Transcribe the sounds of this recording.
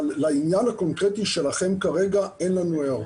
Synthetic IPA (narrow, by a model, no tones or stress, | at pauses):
lːainjanhako̞nkʁet̪iʃelaχe̞mkaʁeɡaenlanuea